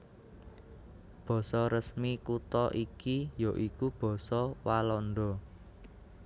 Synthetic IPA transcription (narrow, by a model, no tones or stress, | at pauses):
b̥ɔ̤sɔɾəsmikut̪ɔʔikijoʔikub̥ɔ̤sɔwalɔnɖ̪ɔ